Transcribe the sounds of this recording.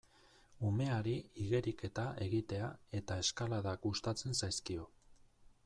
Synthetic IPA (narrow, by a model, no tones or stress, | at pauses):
ume̞aɾiiɣe̞ɾike̞t̪aʔe̞ɣit̪e̞ae̞t̪ae̞skalaðakɡust̪at͡se̞nsajskio̞